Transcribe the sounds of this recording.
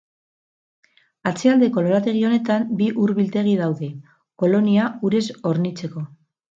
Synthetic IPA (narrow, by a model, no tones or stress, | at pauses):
at͡seald̪e̞ko̞lo̞ɾat̪e̞ɣ̞io̞ne̞t̪ambiʔuɾβilt̪e̞ɣ̞ið̞awðe̞ | ko̞lo̞niauɾe̞so̞ɾnit͡se̞ko̞